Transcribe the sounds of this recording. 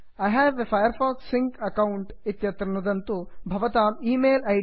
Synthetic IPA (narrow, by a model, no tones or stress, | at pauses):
ɐjɦɛːʋefɐjɐɾfaːksiŋkɐkɐwuɳʈit̪jɐt̪ɾɐɳɐd̪ɐnt̪ubʱɐʋɐt̪aːmiːmeːlɐ